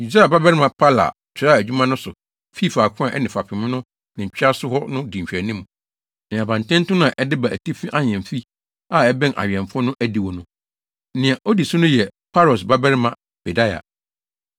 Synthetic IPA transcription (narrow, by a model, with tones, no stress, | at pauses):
i˨da˦a˨ba˦bɛ˦ɾɪ˦mã˨pʰa˦la̰˨ | t͡ɕʰᶣɪ˨ɾa˦˨æ˨d͡ʑᶣu˦mã˦nʊ̃˦sʊ˨ | fi˦˨fa˨kʰʊ̃˦ã˨ʔɛ̰˦nɪ̃˨fa˨pʰɪ̃˨mɪ̃˦nʊ̃˦ | nɪ̃˨ɲ̩˨t͡ɕᶣi˦a˦sʊ˦hɔ˦nʊ̃˦dĩ˨ɕᶣæ˨nĩ˦m˨ | nɪ̃˨a˨bã˨n˨tʰɛ̃˦n̩˦tʊ̃˦nã˨ʔɛ˦dɪ˦ba˨ʔæ˨tʰi˦fĩ˦ʔa˦ɲ˨ɛ̃˨m˨fi˦ | a˦˨ɛ˦bɛ̃˦nʔa̰˨ɥɛ̃˨ɱ˨fɔ˦nʊ̃˦ʔæ˦di˨wɔ˨nʊ̃˦ | nɪ̃˨a˨ʔo˦di˨sʊ˦nʊ̃˦jɛ˨pʰa˦lɔ˨sba˦bɛ˦ɾɪ˦mã˨ | b̥e˨da˦ja̰˨